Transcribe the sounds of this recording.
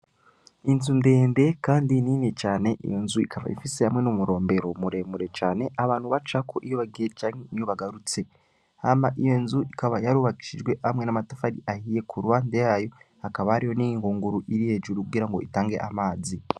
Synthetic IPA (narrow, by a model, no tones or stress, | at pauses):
inzunde̞ːnde̞kaːndininet͡ʃaːne̞ʔḭjo̞nzuikava̰ḭfisehamwe̞numuɾo̞ːmbe̞ɾo̞muɾe̞muɾe̞t͡ʃaːne̞ʔaβaːnhuβat͡ʃakʰoʔijoβaɡiet͡ʃaːŋenijoβaɡaɾut͡se̞ | hamaʔijo̞nzuikaβajaɾuβaki̥ʃiʒwe̞ʔamŋenamatafaɾiʔahije̞kʰuɾuβaːndejajo̞ | akaβahaɾijo̞nijiŋɡuːŋɡuɾuʔiɾihe̞ːʒuɾukuɡiɾaŋɡo̞itaːŋɡe̞̰ʔamaːzi